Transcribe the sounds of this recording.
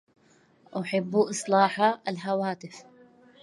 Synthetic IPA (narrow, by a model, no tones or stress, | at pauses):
ʔaħɪbːuʔɨsˤlɑːħalɦawaːt̪ɪf